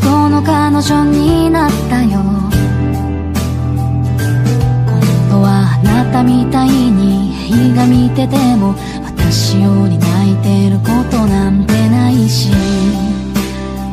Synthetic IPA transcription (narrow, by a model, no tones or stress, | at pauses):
kono̞kanoɕõɲ̟ːinat̪ːajo | kõŋɡo̞βanat̪amʲit̪aiɲ̟ieiiɡamʲit̪e̞t̪e̞mo̞ | βat̪aɕijoːɲ̟inait̪e̞ɾɯ̟ko̞t̪o̞nand̪e̞naiɕi